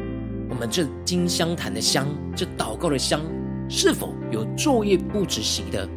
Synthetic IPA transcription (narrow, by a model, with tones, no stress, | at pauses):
wɔ˨˩mə˦nʈ͡ʂɤ˥˨t͡ɕi˥nɕjɑ˥ŋt̪ʰa˨˧˥nd̪ə˨ɕjɑ˥ŋ | ʈ͡ʂɤ˥˨t̪ɑ˨˩ʊkɑ˥˩ʊd̪ə˩ɕjɑ˥ŋ | ʂɻ̩˥˩fo̰˨˩˦ʊjo˨˩ʊt͡swɔ˥˧jɛ˥˧pu˥˩ʈ͡ʂɻ̩˨˩ɕi˧˥˦d̪ə̰˧